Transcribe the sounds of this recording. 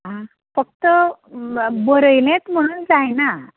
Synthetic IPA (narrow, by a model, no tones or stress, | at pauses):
ɦã | fək̚t̪ə | bəɾəjlẽt͡sm̤əɽ̃uːnd͡zajna